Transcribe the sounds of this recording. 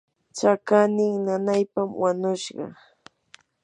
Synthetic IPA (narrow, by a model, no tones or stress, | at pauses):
t͡ʃakanɪŋnanajpamwaɲʊʃɢɑ̰